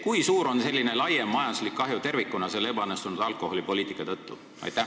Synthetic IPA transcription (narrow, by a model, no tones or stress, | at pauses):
kujsuːɾo̞nse̞lːine̞lɑjemːɑjɑnd̪uslikːɑɦjut̪e̞rvikːˑunɑselːebɑɑnːest̪unud̪̥ɑlkˑo̞ho̞lʲipo̞lʲiːt̪ikːˑɑt̪ɤt̪ːu | ɑ̰jt̪ːæ